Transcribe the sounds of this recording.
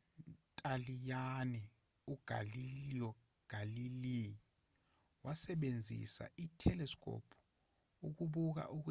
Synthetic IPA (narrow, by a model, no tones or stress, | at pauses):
nntʼalijanɛ | uɡ̥ʱa̰liliɔ | ɡ̥ʱalili | wasɛɓend͡zʱḭsa̰ʔitʰɛlɛskʼɔ̰pʰu̥ | uk̬uɓuk̬a̰ʔuk̬u